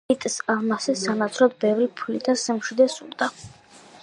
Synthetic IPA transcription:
it̪ʼsalmasɛsanat̪sʰɾɔd̪bɛvɾipʰulid̪asɛmʃid̪ɛsuɾd̪a

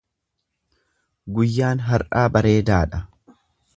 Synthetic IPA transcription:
ɡʊjːaːnɦɐɾʔaːbɐɾe̞ːd̪aːᶑɐ

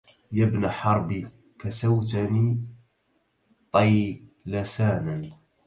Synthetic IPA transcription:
jabnaħɑɾˤbi | kasawt̪ani | t̪ˤɑjlasaːnan

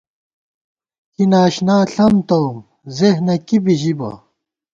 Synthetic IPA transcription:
kinaːɕnaːɬɐmt̪owm | zeɦnɐkibiʑibɐ̰

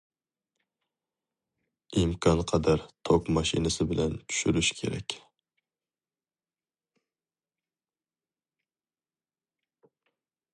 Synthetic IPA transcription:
imkʰɑnqʰɑd̪æɾt̪ʰokmɑʃḭnɨsɪbɪlɛnt͡ʃ̪ʰy̥ʃyɾyʃkʲʰḛɾɛ̰kʲ

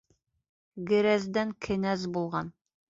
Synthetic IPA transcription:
ɡɘ̆ɾæzd̪æŋkʰɘ̆næzbulˠʁɑn

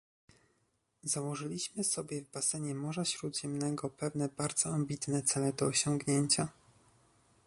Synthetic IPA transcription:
zawɔʐɘlʲiɕmɘsɔbʲjɛvbasɛɲɛmɔʐaɕɾud̪ʑɛmnɛɡɔpɛvn̪ɛbaɾd̪z̥ɔambʲit̪nɛt̪sɛlɛd̪ɔːɕɔŋɡɲeɲt͡ɕa

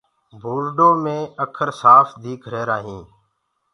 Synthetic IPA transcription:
bʱuːɾɖoːmẽːəkʰəɾsaːfd̪iːkʰɾeːɾaːɦĩː

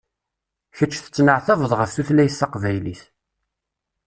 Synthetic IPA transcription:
çət͡ʃːθə̥t͡sːnəʕθævðˤʁəfθuθlæjəsːɑqvæjliθ

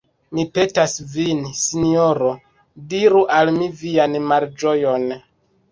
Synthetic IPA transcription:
mipe̞tasvinsinioɾo | diɾuʔalmivianmaɾd͡ʒo̞jon

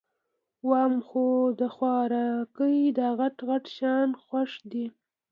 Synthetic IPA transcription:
wɑmxod̪əxwɑɾɑkəid̪ɑɣaʈɣaʈʃɑnxwaʂd̪i

